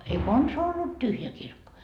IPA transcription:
ei konsɑː olːut tyhjæ kirkːo

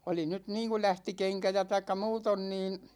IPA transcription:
oli nyt niːŋku læhti keŋkæ jɑ tɑikːɑ muːton niːn̞

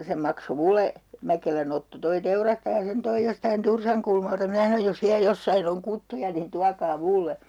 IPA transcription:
se mɑkso mule mækelæn otːo toi teurɑstɑjɑ sen toij jostɑin tursɑŋkulmɑltɑ minæ sɑnoj jos ʋiæ josːɑin oŋ kutːujɑ nin tuɑkɑː mulːe

